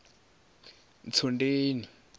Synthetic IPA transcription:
nt͡sʰondeːni

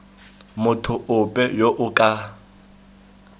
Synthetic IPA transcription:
mʊtʰʊʔʊpʼɛjoʔʊkʼa

